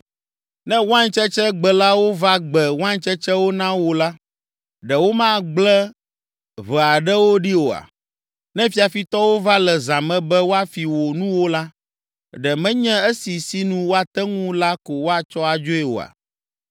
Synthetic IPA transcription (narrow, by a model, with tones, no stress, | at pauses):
nɛ̃˦wã˦ɲ˦t͡ʃɛ˦t͡ʃɛ˦ɡ͡bɛ˨la˦wo˦va˦ɡ͡bɛ˨wã˦ɲ˦t͡ʃɛ˦t͡ʃɛ˦wo˦nã˦wo˨la˦ | ɖɛ˨wo˦mã˦ɡ͡blɛ˦ | βɛ˨a˨ɖɛ˦wo˦ɖi˦wo˨a̰˨ | nɛ̃˦fi˦a˨fi˨t̪ɔ˦wo˦va˦lɛ˨zã˨mɛ̃˦bɛ˦wo˦a˨fi˨wo˨nũ˦wo˦la˦ | ɖɛ˨mɛ̃˦ɲɛ̃˦e˦si˨si˦nũ˦wo˦a˨t̪ɛ˦ŋũ˦la˦ko˨wo˦a˨t͡ʃɔ˦a˨d͡ʒo˦ɛ˨wo̰˨a̰˨